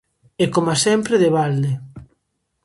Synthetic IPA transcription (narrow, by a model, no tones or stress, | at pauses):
ekomasɛmpɾeðeβald̪e